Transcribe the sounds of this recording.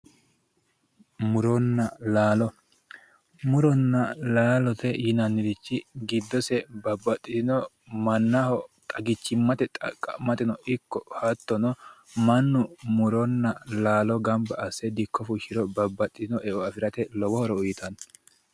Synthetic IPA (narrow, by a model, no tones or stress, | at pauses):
mʊɾɔnːɐlaːlɔ | mʊɾɔnːɐlaːlɔt̪ɛjɪnɐnːɪd̪ɪt͡ʃːɪɡɪd̪ːɔsɛbɐbːɐt̪ʼːɪɪnɔ | mɐnːɐhɔt̪ʼɐɡɪt͡ʃːɪmːɐt̪ɛt̪ʼɐkʼːɐmɐt̪ɪnɔʔɪkːɔhɐt̪ːɔnɔmɐnːʊmʊɾɔnːɐlaːlɔɡɐmbɐʔɐsːɛd̪ɪkʰːɔfʊʃɪɾɔbɐbːɐt̪ʼːɪnɔʔɛʔɔɐfɪɾɐt̪ɛlɔwɔhɔɾɔʊjɪt̪ɐn